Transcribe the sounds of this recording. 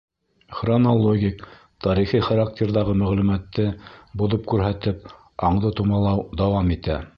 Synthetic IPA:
χronolˠoɡʲik | t̪ɑɾiχiχaɾak̚tʲeɾðɑʁɤmæʁlʉmæt̪ːɘbŭðɤp̚kʉɾɦæt̪ɘp̚ | ɑɴd̪ɤt̪umɑlˠɑwd̪ɑwɑmit̪æ

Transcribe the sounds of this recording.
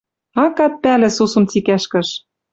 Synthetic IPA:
ɑkɑt̪̚pælɘ̆susɤ̆mt͡sikæʃkɘ̆ʃ

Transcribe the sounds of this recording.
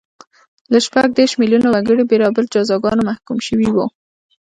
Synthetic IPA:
laʃpaɡ̚d̪eɾʃmiljunowaɡəɽibeɾɑbəld͡ʒɑzɑɡɑnomahkumʃəwiwu

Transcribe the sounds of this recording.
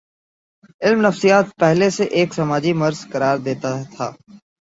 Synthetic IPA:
ɪlmnɐfsijaːt̪̚pɛɦleseʔeːksɐmaːd͡ʒimɐɾz̥kɐɾaːɾd̪eːt̪at̪ʰa̰ː

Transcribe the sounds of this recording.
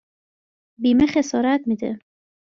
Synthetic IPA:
biːmexe̞sɒːɾæt̪̚miːd̪e

